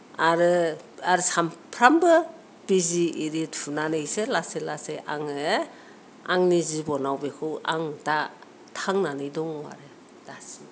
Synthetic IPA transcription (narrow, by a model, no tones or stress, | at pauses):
aɾɯaɾsampʰɾambɯ | biziːɾitpʰunanɯselaselaseʔaŋe | aŋnizibɔnawbekʰɯa̰ŋta | tʰaŋnanɯjdɔŋwa̰ɾe | dasi